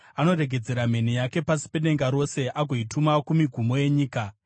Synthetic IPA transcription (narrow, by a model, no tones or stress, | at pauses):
ano̞ɾe̞ɡʱe̞d͡ze̞ɾame̞nijake̞pasi̥pe̞ne̞ŋɡaɾo̞se̞ʔaɡʱo̞itʰumakumiɡʱumo̞je̞ɲiːka